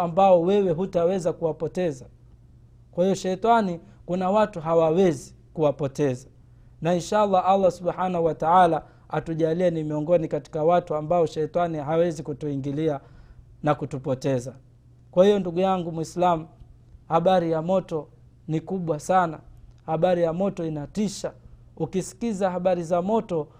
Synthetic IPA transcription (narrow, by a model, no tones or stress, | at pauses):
ambaɔwɛwɛɦutawɛzakuwapɔtɛza | kwahijɔʃɛtani | kunawatuɦawawɛzi | kuwapɔtɛza | nainʃalˠːaʔalˠˤːasuɓħanahuwataala | atuʄaliɛnimiɔŋɡɔnikati̥kawatuambaɔʃɛtaniɦawɛzikutuiŋɡilia | nakutupɔtɛza | kwahijɔnduɡujaŋɡumwislamu | haɓaɾijamɔtɔ | nikuɓwasana̰haɓaɾijamɔtɔinatiʃa | ukisi̥kizaɦaɓaɾizamɔtɔ